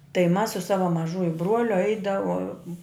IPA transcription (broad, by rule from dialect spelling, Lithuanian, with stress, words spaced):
tɐɪ mɐs sʊ ˈsɑːʋɐ mɐˈʒʊjʊ ˈbruɔlʲʊ ˈɐɪdɐʋoːm